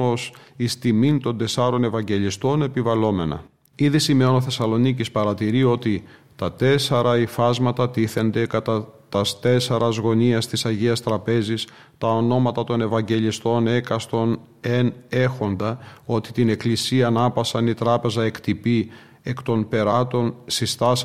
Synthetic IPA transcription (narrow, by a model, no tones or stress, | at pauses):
osist̪imint̪o̞nd̪e̞sɐɾo̞ne̞vɐɲɟe̞list̪o̞ne̞pivɐlo̞me̞nɐ̰ | iðisime̞onoθe̞sɐlo̞nicispɐɾɐt̪iɾio̞t̪it̪ɐt̪e̞seɾɐifɐzmɐt̪ɐt̪iθe̞nd̪e̞kɐt̪ɐt̪ɐst̪e̞seɾɐzɣo̞niɐst̪isɐʝiɐst̪ɾɐpe̞zis | t̪ɐo̞no̞mɐt̪ɐt̪o̞ne̞vɐɲɟe̞list̪o̞ne̞kɐst̪o̞n | ene̞xo̞nd̪ɐo̞t̪i̥t̪ine̞klisiɐːnɐpɐsɐnit̪ɾɐpe̞zɐe̞kt̪ipi | e̞kt̪o̞npe̞ɾɐt̪o̞nsist̪ɐs